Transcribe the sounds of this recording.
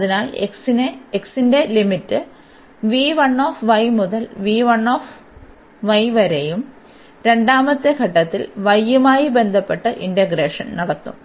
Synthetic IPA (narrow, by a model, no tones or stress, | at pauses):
ɐðinaːleksineeksinde̞limitːɨ | ʋiːʋɐɳːoːfʋɐjmuðɐlʋiːʋɐɳːoːf | ʋɐjʋɐɾejum | ɾe̞ɳɖaːmɐt̪ːeɡʱɐʈːɐt̪ːḭlʋɐjːumaːjibe̞nd̪ʱɐpːe̞ʈːɨʔindɐɡɾeːʂɐnnɐɽɐt̪ːṵm